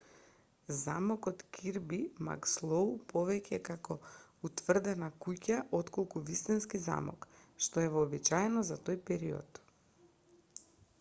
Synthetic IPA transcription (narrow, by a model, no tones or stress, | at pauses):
zamɔkɔt̪kʰiɾbima̰kslˠowpɔvɛcɛkakɔut̪vr̩d̪ɛnakucaʔɔt̪kɔlˠkuvist̪inskiza̰mɔ̰kʃt̪ɔɛvɔːbit͡ʃaɛnɔzat̪ojpɛɾiɔ̰t̪